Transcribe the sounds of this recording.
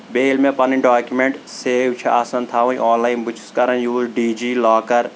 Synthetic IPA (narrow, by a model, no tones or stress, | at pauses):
beːlmẽpɐniɖaːkjumẽɳʈseːwt͡ʃʰeaːsɐnt̪ʰaːʋõĩʔɔːnlaːɪnbʊt͡ʃʰɪ̥skɐɾənjuːzɖiːd͡ʒiːlaːkɐɾ